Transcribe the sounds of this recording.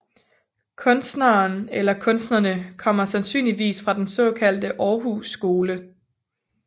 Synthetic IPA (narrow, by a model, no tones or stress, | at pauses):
kʰɔ̽nsd̥näːnelɐkʰɔ̽nsd̥nɐnəkʰɒ̽m̰ɐsænsy̰ːnliʋḭːsfʁɑ̈d̥ensɒ̽ːkʰæl̰d̥əʔɒːɦusːɡ̥o̝ːlə